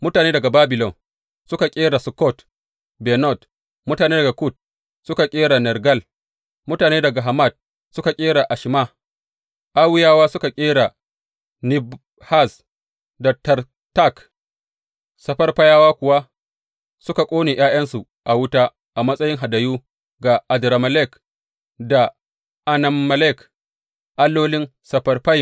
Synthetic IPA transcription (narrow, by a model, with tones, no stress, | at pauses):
mʊ˦taː˨neː˦dɐ˨ɡa˨baː˦bɪ˨lɔ˨ŋ | sʊ˦ka˨kʲʼeː˦ɽa˨sʊ˨kɔ˦˨t | bɛ˨nɔ˦˨t | mʊ˦taː˨neː˦dɐ˨ɡa˨ku˦˨t̚ | sʊ˦ka˨kʲʼeː˦ɽa˨nɛ˨rɡɐ˦l | mʊ˦taː˨neː˦dɐ˨ɡa˨ɦa˨ma˦˨d̚ | sʊ˦ka˨kʲʼeː˦ɽa˨ʔa˨ʃɪ˨maː˦˨ | ʔa˦wɪ˦jaː˦waː˦sʊ˦ka˨kʲʼeː˦ɽa˨ | nɪ˦b | ha˦˨s | dɐ˨tɐ˨r | ta˦˨k | sɐ˨ɸɐ˦rɸa˦jaː˦waː˦kʷʊ˨wa˦ | sʊ˦ka˨kʷʼoː˦neː˨j̰aː˦jɐ˦nsu˨ | ʔa˨wʊ˦taː˦ | ʔa˨mɐ˦sʼɐ˦jɪ˦ŋɦa˨da˨juː˦ | ɡa˨ʔa˨dɾa˨mɐ˨lɛ˦˨k | da˨ | ʔa˨na˨mːɐ˨lɛ˦˨k | ʔa˦lːoː˦lɪ˦nsɐ˨ɸɐ˦rɸa˦j